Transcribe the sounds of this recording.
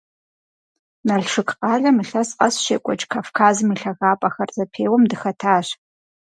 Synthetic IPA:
nɐɮʂɨkʼqʼɑːɮɐmiɬɐsqɐsʃḛːkʷʼɔt͡ʃʼkʰaːfkʰaːzɨmiɬɐɣaːpʼɐxɐrzɐpʰeːwɔmdɨxɐtʰaːɕ

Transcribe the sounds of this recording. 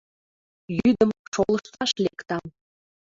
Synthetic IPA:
jyd̪əmʃolˠəʃt̪ɑʃlekt̪ɑm

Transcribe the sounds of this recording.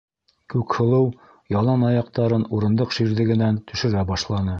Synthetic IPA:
kʉkhŏlˠɤw | jɑlˠɑnɑjɑqt̪ɑɾɤnuɾɤ̆nd̪ɤqʃiɾðɘ̆ɡɘ̆nænt̪ɵ̆ʃɘ̆ɾæbɑʃlˠɑnɤ

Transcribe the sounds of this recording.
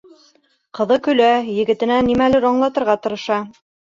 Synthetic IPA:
qɤ̆ðɤkɵ̆læjɘ̆ɡɘ̆t̪ɘ̆nænimælɘɾɒɴlˠɑt̪ɤ̆ɾʁɑt̪ɤ̆ɾɤ̆ʃɑ

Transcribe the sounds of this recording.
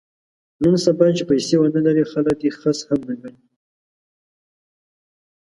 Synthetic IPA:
nənsabat͡ʃepajsewənalaɾexalək̚d̪exəshamdaɡani

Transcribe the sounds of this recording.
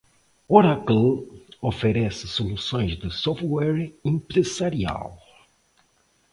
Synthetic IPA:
oɾaklofeɾɛsɪsolusõj̃zd̪ɪsɔft̪wɛɾẽmpɾezaɾia̰l

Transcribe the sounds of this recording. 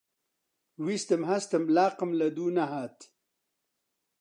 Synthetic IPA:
wist̪əmɦast̪əmlaːqəmlɐd̪unaɦaːt̪

